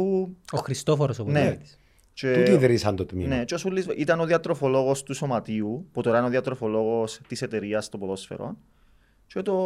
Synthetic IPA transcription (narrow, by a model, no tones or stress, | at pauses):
uoxɾist̪ofoɾosopnet̪i̥s | t͡ʃeiðɾisɐnt̪ot̪minet͡ʃeosulːizʔit̪ɐnoðiɐt̪ɾofoloɣost̪uso̞mɐt̪iuput̪oɾɐinoðiɐt̪ɾofoloɣost̪iset̪eɾiɐst̪opoðosfḛɾo̰n | t͡ʃe̞t̪o